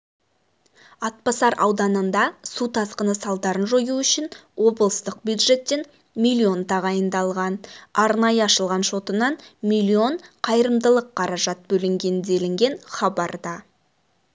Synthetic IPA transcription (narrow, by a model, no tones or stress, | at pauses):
ɑt̪̚pɑsɑɾʔɑ̰wd̪ɑnənd̪ɑsut̪ʰɑsqənəsɑlˠd̪ɑɾənʒojuʏʃɪnwo̞blˠəst̪əq̚bjud̪ʒe̞t̪ːe̞n | mʲilʲːio̞nt̪ɑʁɑjənd̪ɑlˠʁɑnɑɾnɑjəɑʃəlˠʁɑnʃo̞t̪ənɑnmilʲːio̞nqʰɑjəɾəmd̪əlˠəqʰːɑɾɑʒɑt̪̚bɵlɪŋɡʲe̞nd̪e̞lɪŋɡʲe̞nχɑbɑɾd̪ɑ